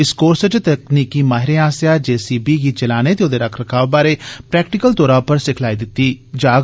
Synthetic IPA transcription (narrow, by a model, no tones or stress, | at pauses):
ɪskoːɾsət͡ʃt̪əkniːkiːmaːɦɪɾeaːsjaːd͡ʒɛːsiːbʱiːɡiːt͡ʃəlaːnet̪eod̪eːɾɐkʰɾɐkʰaːʋbaːɾeːpɾɛːkʈɪkəlt̪oːɾaːpəɾsɪkʰlaːid̪ɪt̪ːiːd͡ʒaː